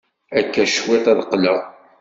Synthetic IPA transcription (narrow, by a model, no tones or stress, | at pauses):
ækːæʃwet̪ˤæðqːlə